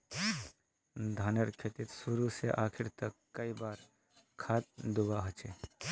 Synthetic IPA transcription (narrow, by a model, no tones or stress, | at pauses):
d̪ʱaːnəɾkʰeːt̪it̪suɾuseʔaːkʰɪɾt̪əkːəibaːɾ | kʰaːt̪̚d̪ubaɦət͡ʃe